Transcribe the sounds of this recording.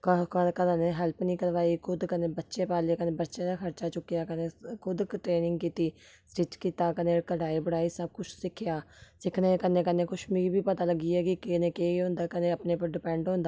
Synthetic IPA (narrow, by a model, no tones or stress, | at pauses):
kkəkəd̪ãːneːɦɛːlpnĩːkəɾʋaːiːkʰʊd̪kəneːbətːʃeːpaːleːkənẽːbətːʃeːd̪aːkʰəɾt͡ʃaːt͡ʃʊkːejaːkəneːkʰʊd̪kʈɾeːnɪŋɡkiːt̪iː | sɾɪt͡ʃkiːt̪aːkənẽːkəɽaːiːbəɽaːiːsəb̚kʊt͡ʃʰsɪkʰːɪjaːsɪkʰneːkənẽːkəneːkʊʃmĩːbiːpət̪aːləɡiːɛːkɪkɪneːkeːɦõːnd̪aːkəneːəpneːpəɾɖɪpɛ̃ːɳɖɦõːnd̪aː